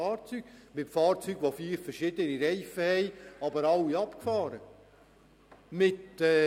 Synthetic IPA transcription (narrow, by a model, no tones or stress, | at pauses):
ɑːɾt͡syɡ̥mɪtfɑːɾt͡syːɡʋofiːɾfəɾʃɪdəniɾɛɪfəhɛɪɑbəɾɑwiɑpkfɑːɾə | mɪtɛ